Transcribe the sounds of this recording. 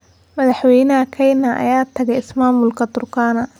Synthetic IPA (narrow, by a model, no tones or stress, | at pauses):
mɐðɑħwɛjnɐɐkʰɛjnɐʔɐ̰jaːt̪ʰɐɣɛɪsmaːmʊlkʰɐd̪ʊrkʰaːnɐ